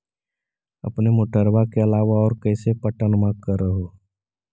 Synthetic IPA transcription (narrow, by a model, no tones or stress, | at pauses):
ɐ̰pnemoːʈəɾʋakeɐlaːʋaɔːɾkɛːsepəʈənʊmakəɾːəɦoː